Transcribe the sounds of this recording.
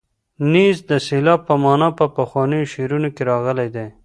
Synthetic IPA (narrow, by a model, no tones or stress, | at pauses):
nizd̪əsɪlɑpːəmɑnɑpəpaxwɑnejoʃeɾunokeɾɑɣəled̪e